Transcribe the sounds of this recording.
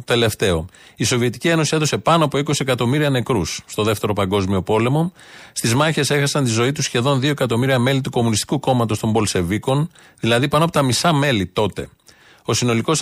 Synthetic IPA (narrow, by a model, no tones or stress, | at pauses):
t̪e̞le̞ft̪e̞o̞̰iso̞vie̞t̪i̥cie̞nosieðo̞se̞pɐnoɐpo̞iko̞siekɐt̪o̞miɾiɐne̞kɾusːt̪o̞ðe̞ft̪e̞ɾo̞pɐŋɡo̞zmio̞po̞le̞mo̞ | st̪izmɐçe̞se̞xɐsɐnt̪izo̞it̪usçe̞ðo̞nðio̞e̞kɐt̪o̞miɾiɐme̞lit̪uko̞munist̪i̥kuko̞mɐt̪o̞st̪o̞mbo̞lse̞viko̞n | ðilɐðipɐnoɐpot̪ɐmisɐme̞lit̪o̞t̪e̞̰ | o̞sino̞liko̞s